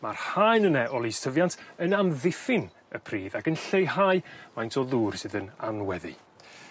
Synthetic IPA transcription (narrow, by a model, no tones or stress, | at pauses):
marhajnənɛʔɔlˠistʰəvjantʰənamðɪfɪn | əpʰriːðaɡənɬejhajmajntʰɔðuːr̥sɨðəna̰nwɛðḭ